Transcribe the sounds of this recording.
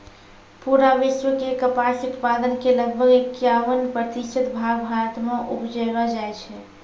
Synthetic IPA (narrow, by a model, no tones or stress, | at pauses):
puɾaʋisʋəkekəpasut̪pad̪ənkeləɡ̚bʱəɡekjaʋənpɾət̪it͡ʃʰət̪bʱaɡbʱaɾət̪maʔupd͡ʒəbad͡ʒajt͡ʃʰɛ